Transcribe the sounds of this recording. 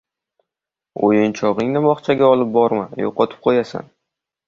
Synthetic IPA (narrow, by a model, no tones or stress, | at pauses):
o̰jɪnt͡ʃʰɒʁɨŋnɪbɒχt͡ʃʰaɡʲaɒlˠɪp̚bɒɾma̰njo̰qɒt̪ʰɪ̥p̚qʰojasa̰n